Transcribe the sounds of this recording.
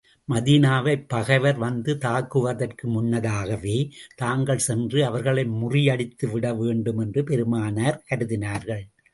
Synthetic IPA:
mɐðiːnaːʋɐɪpːɐɣɐɪʋɐɾʋɐnd̪ɯt̪aːkːɯʋɐðɐrkɯmʊnːɐðaːɣɐʋeːt̪aːŋɡɐɭsɛndrɯɐʋɐɾɣɐɭɐɪmʊrɪjɐɽɪt̪ːɯʋɪɽɐʋeːɳɖɯmɛndrɯpɛɾɯmaːnɐɾkɐɾɯðɪnaːɾɣɐɭ

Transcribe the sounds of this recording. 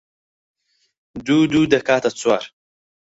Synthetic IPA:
d̪uːd̪uːd̪ɐkaːt̪at͡swaɾ

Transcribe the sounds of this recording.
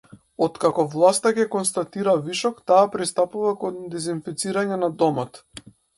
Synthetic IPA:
ɔt̪kakɔvlˠast̪akɛkɔnst̪at̪iɾaviʃɔkt̪aːpɾist̪apuvakɔnd̪ɛzinfit̪siɾaɲɛnad̪ɔmɔt̪

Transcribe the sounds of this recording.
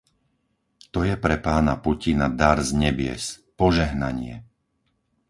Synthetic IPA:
t̪ɔjɛpɾɛpaːnapucinad̪aɾzɲɛbɪɛ̰spɔʒɛɦnaɲɪɛ̰

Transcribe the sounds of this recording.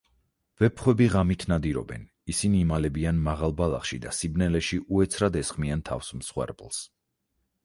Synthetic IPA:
vɛpʰχwɛbiʁamit̪ʰnad̪iɾɔ̰bɛ̰n | isiniːmalɛbianmaʁalˠbalˠa̰χʃid̪asibnɛlɛʃiʔuɛt̪sʰɾad̪ɛsχmiant̪ʰa̰fsmsχwɛ̰ɾpʼlˠs

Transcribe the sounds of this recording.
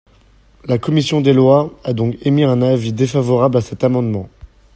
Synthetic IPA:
lakɔmisjɔ̃d̪elwaad̪ɔ̃kemiɛ̃navid̪efavɔʁablasɛt̪amɑ̃d̪mɑ̃

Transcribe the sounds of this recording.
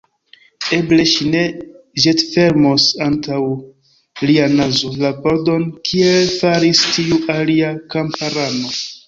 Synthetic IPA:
e̞ble̞ʃine̞ | ʒetfe̞ɾmo̞santaw | lianazo̞lapoɾdo̞nkʰie̞lfaɾistiuʔaliakampaɾano̞

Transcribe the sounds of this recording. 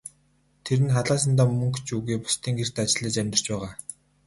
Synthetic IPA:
t̪ʰeɾɘ̆nχaɮaːs̬ə̆nt̪aːmːɵŋkt͡ɕuɣiːpʊ̥st̪ʰiːŋɡer̥t̪at͡ɕɪ̆ɮiːt͡ɕæmʲt̪ɪ̆r̥t͡ɕpæːʁaː

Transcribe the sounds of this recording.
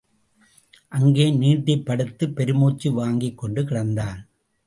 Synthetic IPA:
ʔɐŋɡeːniːʈːɐpːɐɽɯt̪ːɯpːɛɾɯmoːt͡ʃːiʋaːŋɡɪkːɔɳɖɯkɪɽɐnd̪aːn

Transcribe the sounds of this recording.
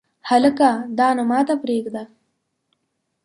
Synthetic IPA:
haləkad̪ɑːnamɑːt̪apɾeɡd̪a

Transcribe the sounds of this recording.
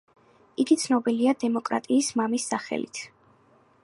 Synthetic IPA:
iɡit̪sʰnɔbiliad̪ɛmɔkʼɾa̰t̪ʼiːsmamisːaχɛ̰lḭt̪ʰ

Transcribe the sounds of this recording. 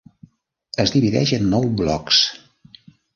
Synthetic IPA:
əzðiβiðɛ̰ʒənːɔwblɔ̰ks

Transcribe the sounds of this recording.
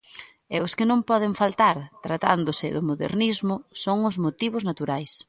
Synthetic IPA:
ɛʊskɪnõmpɔð̞ɪɱfalt̪aɾt̪ɾat̪and̪ʊsɪðʊmoðḛɾnizmʊsoŋʊzmot̪iβ̞ʊznat̪uɾajs

